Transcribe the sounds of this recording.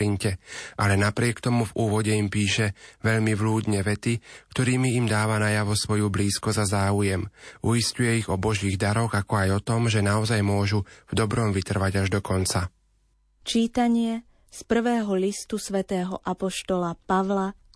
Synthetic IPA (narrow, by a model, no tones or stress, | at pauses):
iɲcɛʔalɛnapɾɪɛkt̪ɔmuvuːʋɔɟɛimpiːʃɛʋɛʎmiʋluːd̪ɲɛʋɛt̪ikt̪ɔɾiːmiːmd̪aːʋanajaʋɔsʋɔjubliːskɔzazaːujɛmujiscujɛiɣɔbɔʒiːɣd̪aɾɔɣakɔajɔt̪ɔmʒɛnaɔzajmʊɔʒuvd̪ɔbɾɔmʋit̪r̩ʋaɟaʒd̪ɔkɔnt͡sa | t͡ʃiːt̪aɲɪɛ | spr̩ʋɛːɦɔlist̪usʋɛt̪ɛːɦɔʔapɔʃt̪ɔlapaʋla